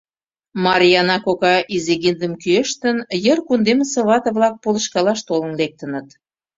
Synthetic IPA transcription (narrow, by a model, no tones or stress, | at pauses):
mɑɾʲijɑnɑkokɑʔizeɣind̪əmkyeʃt̪ə̆njərkund̪eməsĕβɑt̪ə̆βlɑk̚polə̆ʃkɑlɑʃt̪olə̆nlek̚t̪ə̆nə̆t̪